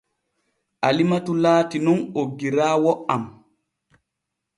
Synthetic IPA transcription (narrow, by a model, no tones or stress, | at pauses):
ʔalimatulaːtinɔnoɡːiɾaːwɔʔam